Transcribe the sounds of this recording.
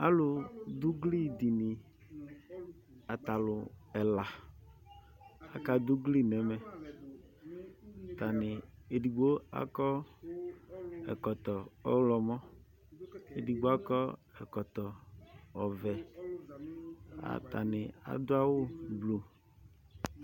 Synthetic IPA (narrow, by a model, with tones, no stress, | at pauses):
a˦lʊ˨d̪ʊ˦ɡli˦d̪i˨nɪ˨ | a˨t̪a˨lʊ˨ɛ˨la˨ | a˨ka˦d̪ʊ˦ɡli˦nɛ˨mɛ˨ | t̪a˨nɪ˨e˨di˨ɡ͡bo˦a̰˦kɔ˦ | ɛ̰˨kɔ˨t̪ɔ˨ɔ˦wlɔ˨mɔ̃˦ | e˨di˨ɡ͡bo˦a˦kɔ˦ɛ˨kɔ˨t̪ɔ˨ɔ˨vɛ˨ | a̰˨t̪a̰˨nɪ˨a̰˨d̪ʊ˦a˦wʊ˦blo˨